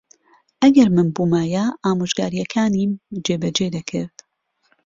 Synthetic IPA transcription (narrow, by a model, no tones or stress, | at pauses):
ʔɐɡɐɾmɨnbuːmaːjaʔaːmuʒɡaːɾijɛkʰaːnimd͡ʒeːbɐd͡ʒed̪ɐkʰɨ̰ɾd̪̥